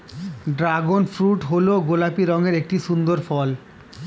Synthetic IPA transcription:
ɖɾaɡonfɾuʈɦoloɡolapiɾɔŋeɾek̚ʈiʃund̪oɾfɔl

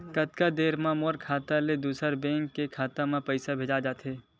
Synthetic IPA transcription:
kət̪kad̪eːɾmãmoːɾkʰaːt̪aled̪uːsəɾbɛ̃ːŋkːekʰaːt̪amãpəɪsabʱeːd͡ʒad͡ʒaːt̪ɦeː

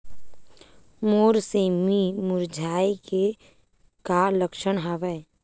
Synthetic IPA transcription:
moːɾseːmimʊɾd͡ʒʱaːike | kaləkʃəɳɦaʋɛ

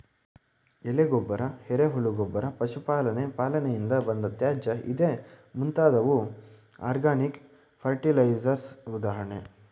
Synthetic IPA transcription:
eleɡobːɐɾɐheɾeɦuɭuɡobːɐɾɐpɐʃupaːlɐnepaːlɐnejind̪ɐbɐnd̪ɐt̪jaːd͡ʒɐʔḭd̪eːmunt̪aːd̪ɐʋu | a̰ːɾɡaːnik | pʰɐɾʈilɐjd͡ʒɐɾsud̪aːɦɐɳe

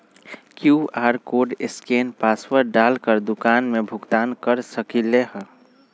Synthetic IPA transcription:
kjuaːɾkoɖɪskenpaswəɾɖalkəɾd̪ʊkaːnmebʱʊɡt̪aːnkəɾsəkileɦə

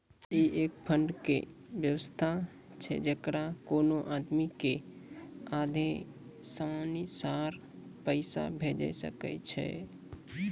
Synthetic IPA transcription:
iʔek̚pʰəɳɖkḛ | bjəwəst̪ʰa | t͡ʃʰɛ̰d͡ʒəkɾakonoʔad̪mike | ad̪ʱẽ | samanisaɾ | pəɪsa̰bʱed͡ʒɛ̰sə̰kɛ̰t͡ʃʰɛ̰

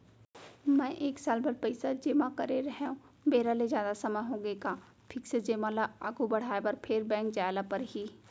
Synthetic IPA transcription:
mɛ̃ːʔeːksaːlbɐɾpɐɪsad͡ʒeːmãkɐɾeɾɐɦeũ | beːɾalezjaːd̪asɐməɦõːɡekaː | pʰɪksed͡ʒeːmãlaa̰ːɡubɐɽ̤aːebəɾpʰeɾbɛ̃ːŋkd͡ʒaːjlapɐɾɦiː

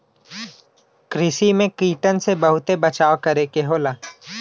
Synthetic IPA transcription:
kɾɪsimẽkiːʈənsebɐɦʊt̪ebɐt͡ʃaːokɐɾekeɦoːlaː

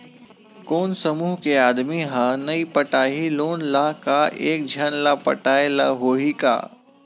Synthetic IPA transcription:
koːnsɐmuːɦkeaːd̪miɦanɐipɐʈaːɦiloːnlakaʔḛːk̚d͡ʒʱanlapɐ̰ʈaːela̰ɦoːɦika̰ː

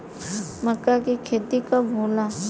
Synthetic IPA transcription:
mɐkːakikʰeːt̪ikabʱoːlaː

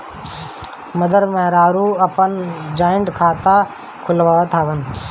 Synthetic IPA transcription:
məd̪ʱəɾmẽːɾaːɾuːəpənd͡ʒaːɪɳɖkʰaːt̪a | kʰʊlʋaɽot̪ʰaːʋən

